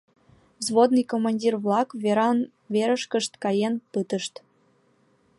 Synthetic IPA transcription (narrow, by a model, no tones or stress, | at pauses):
zβod̪nɨjkomɑnʲdʲirβlˠɑkvʲeɾɑn | vʲeɾəʃkə̆ʃt̪kɑjenpɯt̪əʃt̪